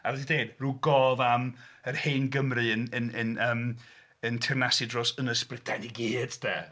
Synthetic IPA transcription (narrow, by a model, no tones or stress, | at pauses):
avɛdideːdruːɡɔːvamərheːnɡəmrɨənənənəːm | əntʰɪrnasɨdrɔsənəsprɪdʰaniɡiːd̥d̥ɛ̰